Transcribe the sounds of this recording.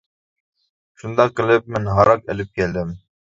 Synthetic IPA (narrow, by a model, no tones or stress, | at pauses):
ʃund̪ɑqːəlˠɪp̚mɪnɦɑɾɑqḛlɪp̚kʲɛld̪ɪm